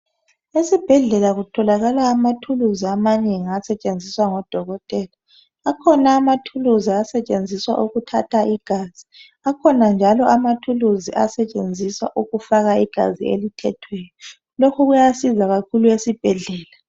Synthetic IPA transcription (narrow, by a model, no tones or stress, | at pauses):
esib̥ʱɛɮɛlaɣutʰɔlaɣalaːmatʰuluziamaneŋiasɛt͡ʃʼend͡zʱiswaŋɔd̥ʱɔɣɔtʼɛlaː | kʰɔnaːmatʰuluziasɛt͡ʃʼend͡zʱiswa̰ʔuɣutʰatʰaʔiɡ̥ʱaːz̥i | akʰɔnand͡ʒʱalɔʔamatʰuluziʔa̰sɛt͡ʃʼend͡zʱiswa̰ʔuɣufaɣaiɡ̥ʱa̰zḭḛlitʰɛtʰwɛjɔ | lokʰuɣujasizaɣakʰuluesib̥ʱɛɮɛːla